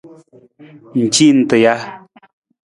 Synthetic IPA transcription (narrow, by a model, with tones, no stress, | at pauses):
n̩˨t͡ʃi˦˨n̩˨tə˨ja˦